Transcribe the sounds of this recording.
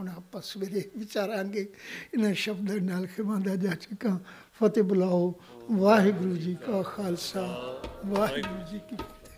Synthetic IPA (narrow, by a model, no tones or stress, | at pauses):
naːpɐsʋeɾeʋɪt͡ʃaːɾãːɡeːɪnəʃɐbd̪anaːlkʰeʋãːnd̪aːʄaːt͡ʃekãː | fɐt̪ebʊlaːɦo | ʋaːɦɪɡɾuːd͡ʒikaːxaːlsaʋaːɦɪɡɾuːd͡ʒikikt̪ʰe̥